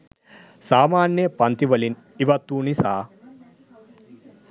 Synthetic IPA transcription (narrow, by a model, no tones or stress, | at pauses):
saːmaːnjɐpɐnt̪iʋɐlin | iʋɐt̪uːnisaː